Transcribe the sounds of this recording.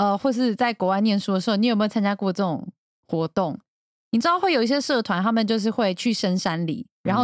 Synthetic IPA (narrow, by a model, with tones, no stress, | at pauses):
ə˧xwɔ˥˧ʂ̬ɻ̩˥˧t͡sa˥˩ɪkwɔ˧˥wa˧˥ɪnjɛ˥˧nʂu˥d̪ə˩ʂɻ̩˧˥o˥˩ni˧˨˩me˥˨ʊt͡sʰa˥nt͡ɕja˥˧kwɔ˥˧˩ə˧ʈ͡ʂɤ˥˩ʈ͡ʂʊ̰˨˩ŋ | xwɔ˧˥t̪ʊ˥˨˩ŋ | ni˨˩ʈ͡ʂɻ̩˥d̪xwe˥˩ɪjo˨ʊi˥ɕjɛ˥ʂɤ˥˩t̪ʰwa˧˦nt̪ʰa˥mə˨nt͡ɕjo˥˧ʊʂ̬ɻ̩˥˧xwe˥˧ɪt͡ɕʰy˥˩ʂə˥nʂa˦nlḭ˨˩˦ɻa˧˥nxo˥˩